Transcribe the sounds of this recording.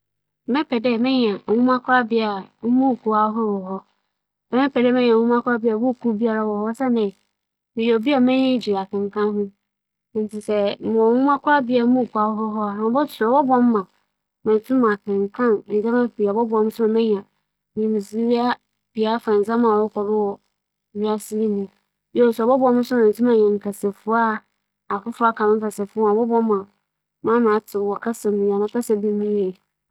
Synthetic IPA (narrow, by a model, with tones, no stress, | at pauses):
mɛ̃˦pʰɛ˨dɛ˦˨mɛ̃˦ɲ˨ã˨ŋũ˦mã˦kʰʊ˦ɾa˦bɪ˦a˨m̩˦mũ˦˨kʰu˨a˦ɦʊ˦wɔ˨ɦɔ˦ | ɛ˨mɛ̃˦pʰɛ˨dɛ˦mɛ̃˦ɲ˨ã˨˦ũ˦mã˦kʰʊ˦a˦bɪ˦a˨bʊ˦˨kʰu˦bi˦a˦ɾa˦wɔ˨hɔ˦sɛ˦nɪ̃˨ | mɪ̃˨o˨bi˦a˨mɛ̃˦ɲɛ̃˦d͡ʑi˨ɾa˨kʰã˨ŋ˨kʰã˦nɦʊ̃˦˨ | n̩˨tʰi˨sɛ˨mʊ̃˨ɔ˨ŋũ˦mã˦kʰʷʊ˦ɾa˦bɪ˦a˨m̩˦mũ˦˨ku˨˦a˦ɦʊ˦ɦɔ˦a˨nã˨bɔ˦tʰʊ˨ɔ˨bɔ˦bɔ̃˦mː˦ã˨ | mã˨n˨tʰũ˦mã˨kɪ̃˨ŋ˨kʰã˦˨n̩˨d͡zã˦mã˦pi˨a˨bɔ˦bɔ˨˦mʊ̃˦sʊ˦nʊ̃˨mɛ̃˦ɲ˨ã˨ | ɲĩ˨mĩ˨si˨˦ɥi˦a˦ | b̥ɪ˨a˨˦fa˨n˨d͡zã˦mã˨wɔ˦kʰɔ˨ɾɪ˦wɔ˨ | ɥi˦a˦sɪ˦li˦nũ˨ | jɛ˦˨sɛ˨bɔ˦bɔ˨˦mʊ̃˦sʊ̃˦˨tʰũ˦mã˨ɲɛ̃˨ŋ˨kʰa˨sɛ˨fʊ˦a˦ | a˨kʊ˦fʊ˦a˦kʰã˨nɪ̃˦fa˨sɛ˨fʊ˦ã˨bɔ˦bɔ̃˦mː˦ã˨ | mã˦mã˨˦tʰɪ˨wɔ˨kʰa˦sɛ˨m̃˨ja˨ã˨˦ka˦sɛ˦bi˦mĩ˦e˨